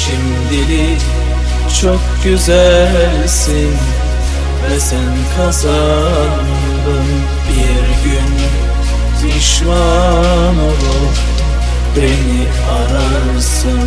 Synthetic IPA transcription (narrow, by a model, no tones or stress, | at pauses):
ʃim | d̪ili | t͡ʃʰokɟyzællʲ | sin | vɛsænkʰaza | d̪ɯn | bi | ɾɟyn | d̪ɯʃma | nolˠu | bɾeni | aɾa | sɯn